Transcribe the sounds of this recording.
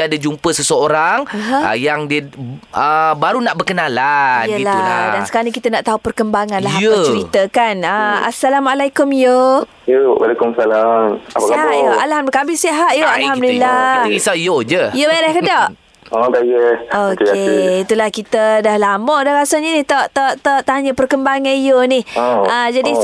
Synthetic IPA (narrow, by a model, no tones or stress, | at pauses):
adad͡ʒumpəsəsəoɾaŋəɦjaŋdiəəbaɾunaʔbərkənalaijəlaadansə̥kaɾanikit̪ənaʔt̪aupərkəmbaŋãnlaɦajəət͡ʃəɾit̪əkanəa̰salamalajkʊmjo | jowa̰lekumsalamapaskaɦajoʔalhamdkabɪseɦat̪̚joalɦamduilːaisajod͡ʒəjobjdahkədɔʔ | otajəot̪eit̪ulahkit̪ədahlamɔʔdaɾasaɲənɪht̪ɔʔt̪ɔʔt̪ɔʔt̪aɲəpərkəmbaŋanjonɪhəd͡ʒadi